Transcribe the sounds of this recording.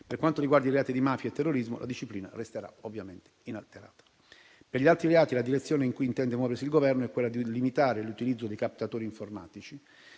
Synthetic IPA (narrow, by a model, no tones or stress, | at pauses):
perkwant̪oɾiɡward̪aiɾeaːt̪id̪imaːfjaet̪ːerːoɾizmo̰la̰d̪iʃːipliːna̰rest̪eɾa̰ovːjament̪e̥inalt̪eɾa̰ːt̪ḁ | peɾʎialt̪ɾileaːt̪ilad̪iɾet̪sːjoːneiŋkujint̪ɛnd̪emwɔːveɾsilɡovɛrnoɛkːwelːad̪ilimit̪aːɾelut̪ilid̪zːod̪ejkap̚t̪at̪oːɾiːɱforma̰ːt̪it͡ʃi